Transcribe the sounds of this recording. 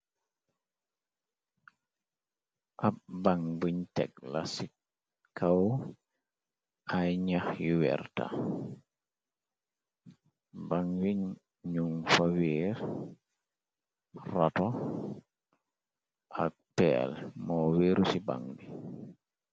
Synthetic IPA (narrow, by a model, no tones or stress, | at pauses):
ʔabaŋbuɲtɛ̰klasi | kʰaw | ʔajɲahjuwɛ̰ɾta̰ | baŋwiɲ | ɲuŋfawiːɾ | ratɔ | ʔak̚pɛ̰ːlmɔwiːɾusiba̰ŋbi